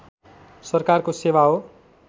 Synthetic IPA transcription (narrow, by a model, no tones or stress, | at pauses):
sʌrkarkosewaɦo